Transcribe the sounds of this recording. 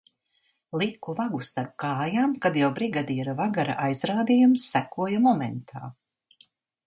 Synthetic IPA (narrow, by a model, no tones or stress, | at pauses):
lˠikuvaɡust̪aɾp̚kaːjaːmkad̪jawbɾiːɡad̪iːɾavaɡaɾa̰ʔajz̥ɾaːd̪ijumsːækuɔjamɔmɛnt̪ʰa̰ː